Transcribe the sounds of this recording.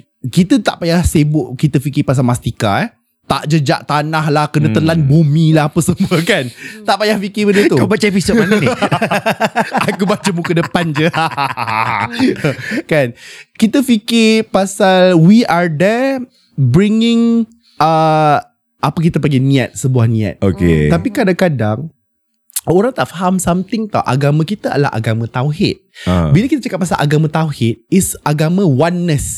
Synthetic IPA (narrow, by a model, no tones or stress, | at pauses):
kit̪ət̪aʔpajahsebʊʔkit̪əfikɪpas̬almast̪ika̰ɛ | t̪a̰ʔd͡ʒəd͡ʒa̰ʔt̪anahlahkənət̪əlanbumĩlaɦapəsəmuəkant̪aʔpajahfikɪbədət̪ubat͡ʃaepison | akubat͡ʃəmukədəpand͡ʒəa | kankit̪əfikɪpasalwiadɛ | bɾiŋɪ̃ŋ | ə | ʔapək̬it̪əp̬əŋɡanĩat̪̚səbuahnĩa̰t̪̚okḛt̪apikadaŋkadaŋ | oɾaŋt̪aʔfaɦamsamt̪ɪŋt̪ɔ̰ʔa̰ɡamãkit̪əa̰dəla̰hʔa̰ɡamãt̪awɦɪ̰t̪̚bilakit̪ət͡ʃakat̪̚pasalʔa̰ɡamãt̪awhɪt̪̚ɪsʔaɡamãwanːəs